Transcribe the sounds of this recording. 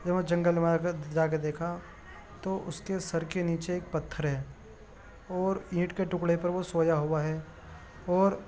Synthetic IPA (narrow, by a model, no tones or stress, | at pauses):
d͡ʒɐʋə̃d͡ʒɐ̃ŋɡəlmad͡ʒaːk̬ed̪eːkʰa | t̪oʔʊskesɐɾkeniːt͡ʃeeːk̚pɐt̪ʰːəɾɦɛː | ɔːɾĩːʈkeʈʊkɽepɐɾʋosoːjaɦʊaɦɛː | ɔːɾ